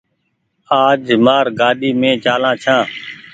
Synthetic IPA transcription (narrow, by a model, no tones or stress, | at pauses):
aːd͡ʒmaːɾɡaːɗiːmẽːt͡ʃaːlãːt͡ʃʰãː